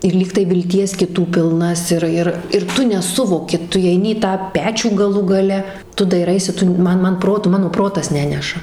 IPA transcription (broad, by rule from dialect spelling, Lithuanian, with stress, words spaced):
ɪr ˈlʲiːktɐɪ ʋʲɪlʲˈtʲiɛs kʲɪˈtuː pʲɪlˠˈnɐs ˈɪr ɪr ɪr ˈtʊ nʲɛˈsʊʋoːkʲɪ ˈtʊ iːɛɪˈnʲɪ iː tɑː ˈpʲæːt͡ʃʲuː ɡɐˈlˠuː ɡɐˈlʲɛ ˈtʊ dɐɪˈrɐɪsʲɪ ˈtʊ ˈmɐn ˈmɐn ˈproːtʊ ˈmɑːnoː ˈproːtɐs ˈnʲæːnʲɛʃɐ